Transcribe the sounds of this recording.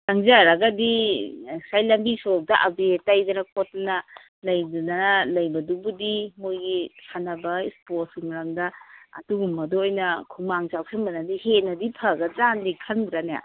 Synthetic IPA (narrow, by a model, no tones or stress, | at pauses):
taŋzaɾaɡɐdi | sajlɐmbisok̚daʔabetajdanɐkotnɐ | lɐjdunanlɐjbɐdubudimojɡisʰanɐbɐisposimɐɾɐmdɐɐ̰tuɡumːɐdɔojnɐkʰumaŋzawsʰenmɐnadihenɐdipʰɐɡɐzandikʰɐndɾanja̰